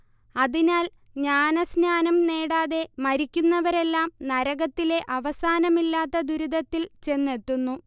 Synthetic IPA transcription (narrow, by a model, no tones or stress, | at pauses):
ɐðinaːl | ɲaːnɐsnaːnɐmne̞ːɽaːðe̞mɐɾikʲːunːɐʋɐɾe̞lːaːmnɐɾɐɣɐt̪ːile̞ʔɐʋɐsaːnɐmilːaːt̪ːɐd̪uɾud̪ɐt̪ːilt͡ɕe̞nːe̞t̪ːunːu